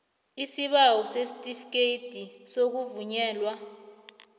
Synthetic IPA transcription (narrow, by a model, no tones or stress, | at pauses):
isiɓawɔsestʼifk̬ʼeid̥ʱisok̬uvuɲɛːlwa